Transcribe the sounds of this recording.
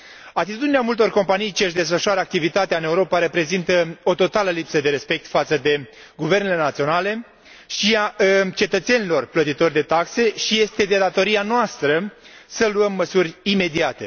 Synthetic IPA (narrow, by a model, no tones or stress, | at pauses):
at̪it̪ud̪ineamult̪o̞rko̞mpanijt͡ʃiəʃd̪e̞sfəʃuaɾəak̚t̪ivit̪at̪eaɨne̞uɾo̞paɾe̞pɾe̞zint̪əo̞t̪o̞t̪aləlipsəd̪e̞ɾe̞spe̞k̚t̪fat̪səd̪e̞ | ɡuve̞rnele̞nat̪sio̞nale̞ | ʃiat͡ʃe̞t̪ət̪se̞nilo̞rplət̪it̪o̞rʲd̪e̞t̪akse̞ʃije̞st̪e̞d̪ed̪at̪o̞ɾianoast̪ɾəsəluəmːəsurʲime̞d̪iat̪e̞